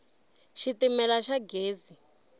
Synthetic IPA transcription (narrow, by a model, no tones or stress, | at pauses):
ʃitimɛlaʃaɡeːzi